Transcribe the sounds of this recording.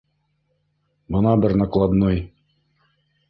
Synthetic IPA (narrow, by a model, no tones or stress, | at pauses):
bɤ̆nɑbɘɾnɑklˠɑd̪noj